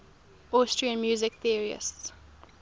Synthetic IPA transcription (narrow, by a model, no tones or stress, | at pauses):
ʔɔstɹiə̃nmjuːzɪkθiəɹiə̰sts